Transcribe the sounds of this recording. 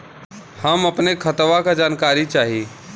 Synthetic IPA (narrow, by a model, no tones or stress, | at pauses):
həmɐpnekʰət̪ʋakad͡ʒaːnkaːɾit͡ʃaːɦi